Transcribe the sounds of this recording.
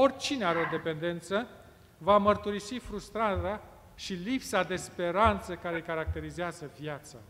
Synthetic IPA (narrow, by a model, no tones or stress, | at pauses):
o̞rʲt͡ʃineaɾeod̪e̞pe̞nd̪e̞nt̪sə | vamərt̪uɾisifɾust̪ɾaɾea | ʃilipsad̪e̞spe̞ɾant̪səkaɾe̞kaɾak̚t̪e̞ɾizeazəvijat̪sa̰